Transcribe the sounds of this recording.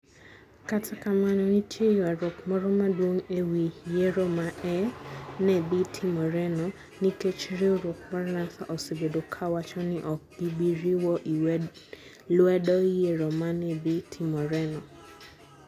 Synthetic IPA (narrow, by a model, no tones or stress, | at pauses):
katʰakamãnɔ̃nĩtʰejɔɛɾokmɔɾɔmãduoŋewijeɾɔmãɛnẽbitʰimɔɾɛnɔ | nĩket͡ʃiɾioɾokaɾanãsaʔɔsebedokʰawat͡ʃɔnɪ̃ʔɔbiɡ͡biɾiwɔʔ | loɛdɔijeɾɔmãnɛ̃bitʰimɔɾɛnɔ